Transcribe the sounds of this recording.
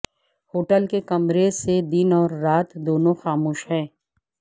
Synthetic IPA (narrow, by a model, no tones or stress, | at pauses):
hoːʈəlkekɐmɾesed̪ɪnɔːɾːaːt̪d̪oːnõxaːmuːʃɦɛ̃ː